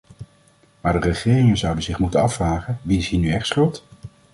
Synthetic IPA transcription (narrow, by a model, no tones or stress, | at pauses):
maːɹdərəχɪːrɪŋənzʌwdəzɪχmutənɑfraːχənʋiɪsɦiːnyɛχtsχɵlˠt